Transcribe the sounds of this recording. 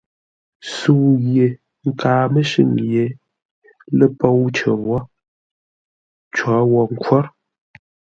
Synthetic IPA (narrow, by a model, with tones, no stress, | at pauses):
su˨ɣje˨ | ŋ̩˦˨kaː˨mə˦ʃɨ̰˦˨ŋje˨˦ | lə˦po˦wt͡ʃə˨wɔ˦ | t͡ʃwɔ˨˦wɔ˦ŋ̩˦kwɔ˦ɾ